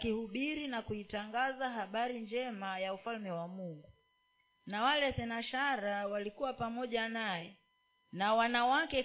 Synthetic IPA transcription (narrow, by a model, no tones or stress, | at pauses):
kihuɓiɾinakuitaŋɡazaɦaɓaɾind͡ʒɛmajaufalmɛwamuŋɡu | nawalɛsɛnaʃaɾawalikuwapamɔʄanajɛ | nawanawakɛ